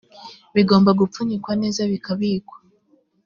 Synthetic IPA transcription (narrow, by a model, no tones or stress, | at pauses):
βiɡo̞ːmbaɡup͡fuɲikwane̞ːzaβikaβiːkwḁ